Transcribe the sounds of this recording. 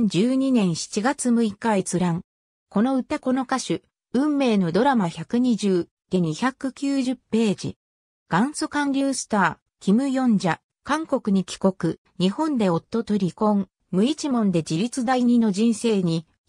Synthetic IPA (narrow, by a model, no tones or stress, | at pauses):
d͡ʑɨːɲ̟inẽ̞ɰ̃ɕi̥t͡ɕiɡat͡sɨmɯ̟ikait͡sɨɾãŋ | ko̞no̞ɯ̟t̪ako̞no̞kaɕɨ | ɯ̟̃mːe̞ːno̞d̪o̞ɾamaçakɯ̟ɲ̟iʑɨː | d̪̥e̞ɲ̟içakɯ̟kʲɨːʑɨpːe̞ːd͡ʑḭ | ɡ̥ãɰ̃sokãnɾʲɨːsɨ̥t̪aː | kʲimɯ̟jõ̞ɲd͡ʑa | kãŋko̞kɯ̟ɲ̟ikʲi̥ko̞kɯ̟ | ɲ̟ihõ̞nd̪e̞o̞t̪ːo̞t̪o̞ɾʲikõ̞ŋ | mɯ̟it͡ɕimõ̞nd̪e̞d͡ʑiɾʲit͡sɨd̪aiɲ̟ino̞ʑĩɰ̃se̞ːɲ̟i